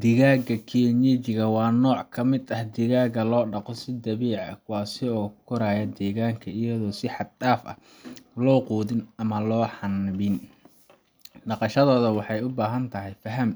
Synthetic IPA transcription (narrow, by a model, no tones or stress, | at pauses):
d̪̥ɪɣaːɡɐkʰiɲɛt͡ʃɪɣɐwɑːnɔːʕkʰɐmɪd̪ɐhd̪ɪɣaːɣɐlɔːɖɑqɔsɪd̪ɐβiːʕɐ̰kʰʊwɑːsɪɔːkʰʊɾaːjɐd̪ɛːɣaːŋkʰɐɪjɐðɔːsɪħɑd̪aːfʔɐ̰ | lɔːquːðɪnɐmɐlɔːħɑnbɪn | ɖɑqɑʃɐðɔːðɐwɑħɑjʊbaːɦɐnt̪ʰɐɦɛjfɐɦɐm